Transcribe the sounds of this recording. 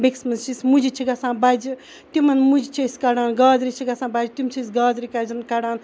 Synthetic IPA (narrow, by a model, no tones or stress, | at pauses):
beksmɐnt͡ʃismud͡ʒit͡ʃʰiɡasãːbad͡ʒi | timɐnmud͡ʒit͡ʃʰesʲkaɽaːnɡaːd͡zɾit͡ʃʰiɡasãːbad͡ʒitimt͡ʃʰisɡaːd͡zɾikazɐnkaɽaːn